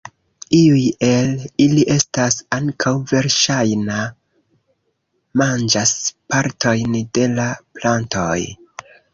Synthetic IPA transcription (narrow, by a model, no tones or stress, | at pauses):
iuje̞liliʔe̞stasaŋkʰawve̞ɾʃajna | mand͡ʒaspaɾtʰo̞jnde̞laplantoj